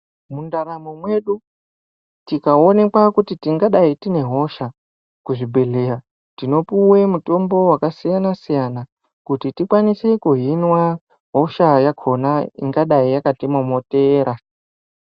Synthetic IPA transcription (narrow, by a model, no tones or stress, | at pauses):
mundaɾamomwe̞ɗu | tikaone̞kwakutitiŋɡaɗaitine̞ɦo̞ʃa | kuʐibʱe̞ɮeɾa | tino̞puwe̞muto̞mbo̞wakasijanasijana | kutitikwanise̞kuɦinwa | ɦo̞ʃajakʰo̞naḭŋɡaɗaijakatimomo̞teːɾa